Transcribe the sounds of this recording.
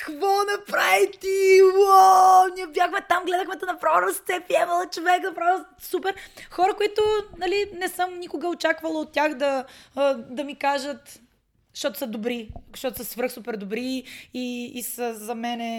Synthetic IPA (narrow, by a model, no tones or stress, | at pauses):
kvɔnɐpɾavit̪iwaniɛvʲjaxmɛt̪amɡlɛd̪əxmɛt̪ɛnɐpɾɔɾɐst̪sɛpɾiɛməlˠət͡ʃovɛknɐpɾɔɾ | supɛɾxɔɾəkʊit̪ʊnɐlinɛsəmnikʊɡəot͡ʃakvɐlˠɐot̪ːʲaxd̪ɐ | d̪ɐmikaʒət̪ | ʃt̪ɔt̪ʊ̥səd̪obɾiʃt̪ɔt̪ʊsəsvəɾxsupɛɾd̪obɾiiːsəzɐmɛnɛ